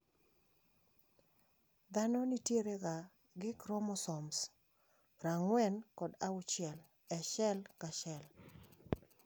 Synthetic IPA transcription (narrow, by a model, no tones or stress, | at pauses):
d̪anɔnitjeɾeɡa | ɡɪkɾɔmɔsɔms | ɾaŋwɛnkɔdaʊt͡ʃɪɛl | ɛʃɛlkaʃɛl